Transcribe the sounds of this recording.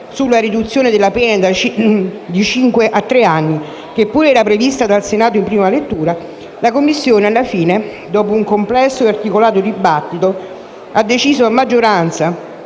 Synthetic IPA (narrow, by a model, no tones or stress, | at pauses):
sulːaɾid̪ut̪sːjoːned̪elːapɛnad̪at͡ʃd̪it͡ʃiŋkweʔat̪ːɾeanːi | kepːuːɾɛːɾapɾevist̪ad̪alsenaːt̪oimpɾiːmalet̪ːuːɾa | lakomːisːjoːnealːafiːne | d̪ɔːpouŋkomplɛsːoart̪ikolaːt̪od̪ibːat̪ːit̪o | ad̪ːet͡ʃiːzoamːad͡ʒːoɾant̪sa